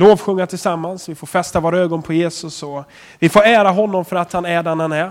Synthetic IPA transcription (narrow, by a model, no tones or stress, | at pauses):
loːvɧɵŋːat̪ʰɪlsamːansvɪfoːɾfɛst̪avoːɾaøːɡɔnpʰɔjeːsɵsɔ | vɪfoːɾæːɾaɦɔnːɔmfœɾat̪hanæɖɛnhanæɾ